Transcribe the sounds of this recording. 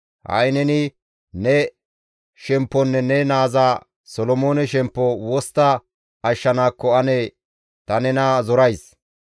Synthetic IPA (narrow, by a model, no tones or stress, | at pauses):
hɐ̰jnɛnɪ | nɛ | ʃɛmpːɔnːɛnɛnaːzaː | sɔlɔmoːnɛʃɛmpːɔwɔst̪ːɐː | ʃːɐnaːkːɔɐnɛ | t̪ɐnɛnɐzɔɾɐjs